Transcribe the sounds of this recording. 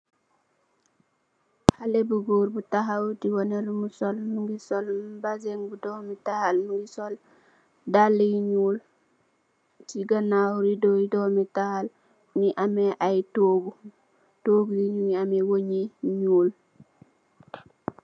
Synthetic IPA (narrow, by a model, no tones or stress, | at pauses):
halebuɡuɾbutaɦawdiwoneɾmusolnuŋɡisolbazeŋbudomitahalnuŋɡisol | dalːijiɲuːl | tiɡanawɾidoidomitahal | niʔameʔajtoːɡu | toɡujiɲuɲiamewoɲiɲuːl